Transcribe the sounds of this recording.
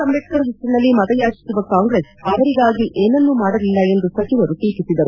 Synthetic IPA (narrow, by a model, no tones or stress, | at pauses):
sɐmʋeʈkɐɾɐɦet͡ʃːinɐlːimɐd̪ɐjaːt͡ʃi̥suʋɐkaːŋɡɾesɐʋɐɾiɡaːɡiʔʔeːnɐnːumaːɽɐlilːɐe̞nd̪usɐt͡ʃiʋɐɾut̪iːpisid̪ɐɾu